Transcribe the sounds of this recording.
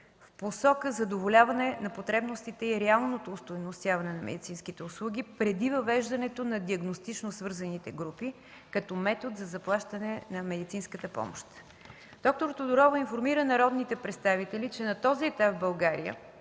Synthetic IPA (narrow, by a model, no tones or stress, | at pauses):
fposɔkəzɐd̪ovolʲavɐnɛnɐpot̪ɾɛbnost̪it̪ɛiɾɛalˠnot̪oːst̪ojnost̪javɐnɛnɐmɛ̰d̪it̪sinskit̪ɛʊslˠuɡ̟ʲipɾɛd̪ivəvɛʒd̪ɐnɛt̪onɐd̪iɐɡnost̪it͡ʃnosvɤɾzɐnit̪ɛɡɾupi | kɐt̪ɔmɛt̪ot̪zɐzɐplˠaʃt̪ənɛnɐmɛd̪it̪sinskət̪əpɔ̰mo̰ʃt̪ | d̪̥ɔk̚t̪oɾt̪od̪ʊɾɔvʊinfoɾmiɾənɐɾɔd̪nit̪ɛpɾɛt̪st̪avit̪ɛlit͡ʃɛnɐt̪ɔziɛt̪apvbɐlˠɡaɾijə̰